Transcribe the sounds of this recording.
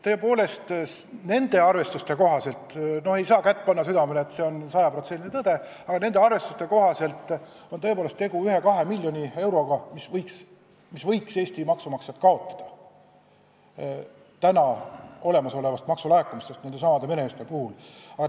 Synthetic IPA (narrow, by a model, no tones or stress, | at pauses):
t̪ɤ̞ːe̞poːle̞st̪ne̞nd̪e̞ɑrve̞st̪ust̪e̞ko̞ɦɑse̞lt̪ˑno̞he̞jsɑːkæt̪ːˑpɑnːɑsyd̪ɑmeleːt̪se̞o̞nsɑjɑpro̞t̪senːʲinet̪ɤd̪̥e̞ | ɑɡ̥ɑne̞nd̪̥e̞ɑrve̞st̪ust̪e̞ko̞ɦɑse̞lt̪ˑ | o̞nɤepoːle̞st̪e̞ɡuyɦe̞kɑɦe̞milʲjo̞nʲie̞wɾo̞ɡ̥ɑmisvɤjks | misvɤ̞jkse̞ːsʲt̪imɑksumɑksed̪kɑo̞t̪ːˑɑ̥d̪̥ɑ | t̪ænɑo̞le̞mɑso̞le̞vɑst̪mɑksulɑekːˑumist̪est̪ned̪esɑmɑd̪e̞me̞ne̞mist̪e̞puhulɑɡɑ